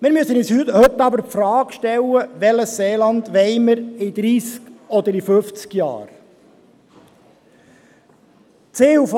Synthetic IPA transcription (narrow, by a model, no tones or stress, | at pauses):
mɪːɾmyøsənishythɵt̪ːɑbəɾpfɾɑːɡʃtɛlːəʋɛləsseːlɑnd̪ʋɛɪməɾid̪ɾiːskɔd̪əɾifɵft͡skjɑ̰ːɾ | t͡seːuf